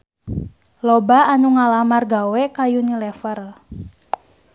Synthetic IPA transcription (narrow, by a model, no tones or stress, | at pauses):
lɔbaanuŋalamarɡawɛkajunilɛfər